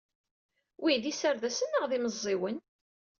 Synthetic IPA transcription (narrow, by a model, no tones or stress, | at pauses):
wʔiðisəɾðæsənːəʁðiməzˤːɪwən